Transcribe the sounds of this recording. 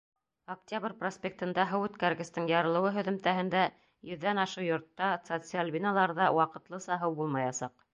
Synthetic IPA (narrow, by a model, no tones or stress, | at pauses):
ok̚tʲabrʲprosʲpʲek̚t̪ɤ̆nd̪æɦɤwʉt̪kæɾɡɘ̆st̪ɤɴjɑɾɤ̆lˠɤ̆wɤɦɵ̆ðɵ̆mt̪æɦɘ̆nd̪æ | jɵ̆ðːænɑʃɤjŏɾt̪ːɑt̪sot̪sɨalʲbʲinalˠɑɾðɑwɑqɤ̆t̪lˠɤsɑɦɤwbulˠmɑjɑsɑq